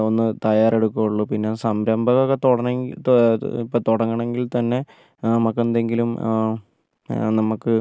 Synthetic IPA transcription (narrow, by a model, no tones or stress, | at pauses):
o̞nːɨt̪ɐjaːre̞ɽukːuɣuɭːupinːesɐmɾɐmbʱɐɣoɣɐt̪oɽɐnːet̪ipːot̪oɽɐŋːɐɳe̞ŋɡilt̪ɐnːe̞ | nɐmɐkːend̪e̞ŋɡilum | nɐmukːɨ